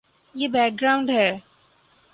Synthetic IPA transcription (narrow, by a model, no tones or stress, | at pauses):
jeːbɛːk̚ɡɾaːʊ̃ɳɖɦɛː